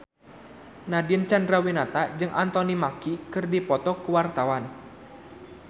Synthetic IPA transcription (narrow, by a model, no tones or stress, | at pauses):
nadiənt͡ʃandrawinat̪ad͡ʒɨŋʔant̪ɔnimakikɨrdipɔt̪ɔkuwart̪awan